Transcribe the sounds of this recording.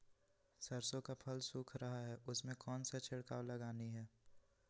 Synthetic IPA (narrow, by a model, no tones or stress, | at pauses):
sɐɾsõkapʰɐlsuːkʰɾɐɦaɦɛːʔʊsmẽkɔːnsat͡ʃʰɪɽka̰ːwlɐɡaːniɦɛː